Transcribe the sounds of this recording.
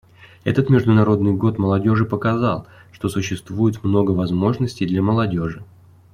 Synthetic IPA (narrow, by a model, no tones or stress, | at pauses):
ɛ̰t̪ət̪mʲɪʐd̪ʊnɐɾo̞d̪nɨjɡo̞t̪məlˠɐdʲo̞ʐɨpəkɐzɑlˠʂt̪o̞sʊɕːɪst̪vujɪt̪mno̞ɡəvɐzmo̞ʐnəsʲtʲɪjd̪lʲaməlˠɐdʲo̞ʐɨ